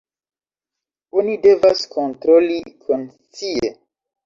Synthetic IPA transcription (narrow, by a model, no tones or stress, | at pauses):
onide̞vaskʰontɾolikʰon | t͡sie